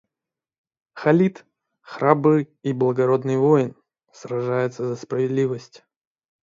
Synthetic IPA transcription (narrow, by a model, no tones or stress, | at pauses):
xɐlʲit̪ | xɾʔabɨj | iblˠəɡɐɾo̞d̪nɨjvo̞jɪn | srɐʐajʊt̪səzəspɾəvʲɪd̪lʲivəsʲtʲ